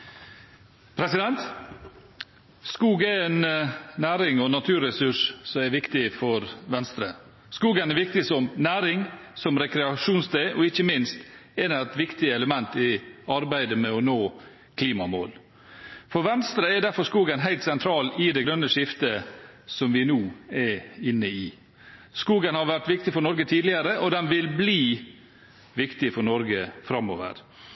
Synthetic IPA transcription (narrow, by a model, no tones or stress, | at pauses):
pʰɾɛsɪd̪ɛnt̪ | skuːɡɛɾɛnnæːɾɪŋɔnɑt̪ʰʉːɾɛsʉʂsɔmɛɾʋɪkt̪ɪfɔɾʋɛnst̪ɾə | skuːɡənɛɾʋɪk̚t̪ɪsɔmnæːɾɪŋsɔmɾɛkɾɛɑʂuːnsd̪eʔɔɪçːəmɪnst̪eːnɑɛt̪ʋɪkt̪ɪɛləmɛnt̪ɪɑɾbæɪd̪əmɛɔnoː | kʰliːmɑmo̰ːl | fɔɾʋɛnst̪ɾəɛɾd̪æɾfɔɾskuːɡənɦæɪlt̪sɛnt̪ʰɾɑːlɪd̪ɛɡɾœnːəʂɪft̪əsɔmʋɪnuːɛɾɪnːəɪ | skuːɡənhɑɾʋæʈʋɪkt̪ɪfɔɳɔɾɡət̪ʰiːd̪lɪəɾəʔɔd̪ɛnʋɪlbliː | ʋɪkt̪ɪfɔɳɔɾɡəfɾɑmo̰ːʋə̰ɾ